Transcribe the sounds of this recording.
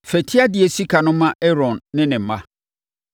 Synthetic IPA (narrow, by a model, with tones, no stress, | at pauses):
fɛ˨tʰi˦a˦dɪ˨ɛ˨si˦kʰa˨nʊ̃˦mã˦ɛ˦ɾɔ̃˨nːɪ̃˦nɪ̃˨m̩˨˦mã̰˦